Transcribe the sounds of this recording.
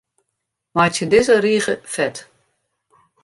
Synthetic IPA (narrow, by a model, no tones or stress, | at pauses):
majtjədɪzəriːɣəfɛt